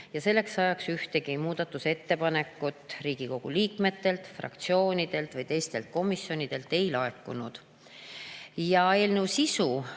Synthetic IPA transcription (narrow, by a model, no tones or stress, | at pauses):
jɑse̞lːe̞ksːɑjɑksyht̪e̞ɡimuːd̪̥ɑt̪ːˑuse̞t̪ːe̞pɑne̞kˑːut̪ːˑriːɡ̥iko̞ɡ̥uliːkme̞t̪ːe̞lt̪frɑ̰kt̪sio̞ːnid̪̥e̞lt̪vɯjt̪e̞jst̪e̞lt̪̚ko̞misjo̞nid̪̥e̞lt̪ːe̞jlɑe̞kːˑunud̪̥ | jɑe̞ːlnewsisu